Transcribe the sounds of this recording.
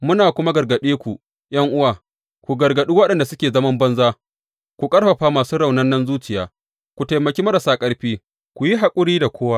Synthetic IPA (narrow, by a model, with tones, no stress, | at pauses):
mʊ˦naː˨kʷʊ˦ma˦ɡɐ˨rɡɐ˨ɗeː˦kʷu˨ | jɐ˦ŋʔʊ˦waː˨ | kʷu˨ɡɐ˨rɡɐ˨ɗi˦wɐ˦ɗɐ˨nda˨sʊ˦kʲeː˨zɐ˦mɐ˦mbɐ˦nzaː˦ | kʷu˨kʼɐ˦ɽɸɐ˨ɸaː˦maː˨suː˦ɽa˨wnɐ˦nːɐ˦nzuː˦t͡ʃɪ˨jaː˨ | kʷu˨ta˨jmɐ˨kʲeː˦mɐ˦ɾa˨saː˦kʼɐ˦ɽɸiː˦ | kʷu˨ji˦ɦa˨kʷʼʊ˦ɾiː˦da˨kʷoː˦wa˦